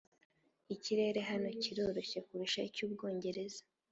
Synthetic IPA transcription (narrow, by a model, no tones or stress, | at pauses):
iciɾe̞ɾe̞ɦano̞ciɾo̞ɾo̞çe̞kuɾiʃacuːb̚ɡo̞ːɲɟe̞ɾe̞zḁ